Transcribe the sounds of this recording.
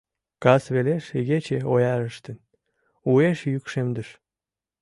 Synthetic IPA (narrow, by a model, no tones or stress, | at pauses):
kɑsβeleʃeɣet͡ɕeojɑɾəʃt̪ən | ueʃjykʃemd̪əʃ